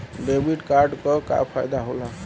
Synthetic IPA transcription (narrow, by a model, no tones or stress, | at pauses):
ɖebiʈkaɾɖkɔka̰pʰajd̪aɦola